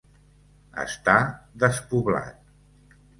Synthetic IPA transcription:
ə̰st̪aðəspuβla̰t̪̚

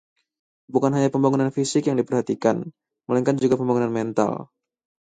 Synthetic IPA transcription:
bukanɦaɲapəmbaŋunanfisɪkjaŋdipərhat̪ika̰n | məlaŋkand͡ʒuɡapəmbaŋunanmɛnt̪a̰l

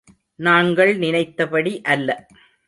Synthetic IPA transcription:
naːŋɡɐɭnɪnɐɪt̪ːɐpɐɽiʔɐlːɐ

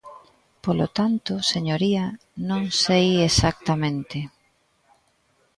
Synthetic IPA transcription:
polot̪ant̪ʊseɲoɾiɐ | nõŋsejesak̚t̪ɐmẽnt̪ɪ

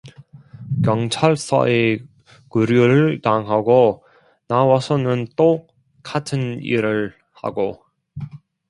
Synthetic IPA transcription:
kjʌŋt͡ɕʰaɭs͈ʌ̰e | kuɾjuɾɯɭtaŋɦaɡo | nawasʰʌnɯnt͈o | k͈atʰɯnḭɾɯɭ | ha̰ɡo

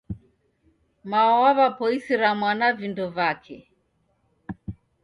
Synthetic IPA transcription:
maɔwaβapɔisiɾamwanavindɔvakʰɛ

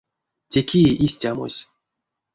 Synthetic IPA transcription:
tʲekʲiʔisʲtʲamo̰sʲ

